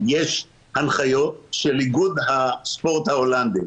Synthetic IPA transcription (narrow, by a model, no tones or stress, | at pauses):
jeʃ | hanχajo̞t̪̚ʃelːiɡud̪haspo̞ʁt̪haoland̪i